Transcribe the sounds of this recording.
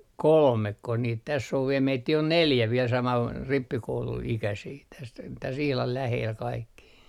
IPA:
kolmekːo niːt tæsː oʋ ʋie meitːiː on neljæ ʋiel sɑmɑn ripːikouluikæsiː tæs tæs ihlɑl læheːl kɑikːi

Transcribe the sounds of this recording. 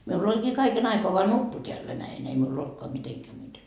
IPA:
miulː olʲkiː kɑiken ɑikoɑ ʋoɑ nupːu tʲeælːæ næin ei miul oltkoɑ miteŋkæ muite

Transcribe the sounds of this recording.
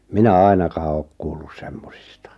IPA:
minæ ɑinɑkɑː oːk kuːlːus semːosistɑ

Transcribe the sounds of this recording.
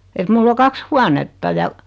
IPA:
et mulː o kɑks huɑnetːɑ jɑ

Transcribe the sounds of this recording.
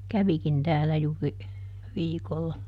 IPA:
kæʋikin tæːlːæ juːri ʋiːkolːɑ

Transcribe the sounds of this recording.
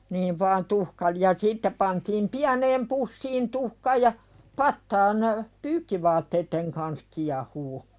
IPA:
niːʋ ʋɑːn tuhkɑlĭ jɑ sitːe pɑntiːm piæneːm pusːiːn tuhkɑ jɑ pɑtːɑːn pyːkːiʋɑːtːeitːeŋ kɑns kiɑhuː

